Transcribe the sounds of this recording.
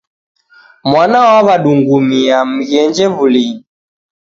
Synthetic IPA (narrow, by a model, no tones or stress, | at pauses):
mwanawaβaɗuŋɡumiam̩ɣɛnd͡ʒɛβuli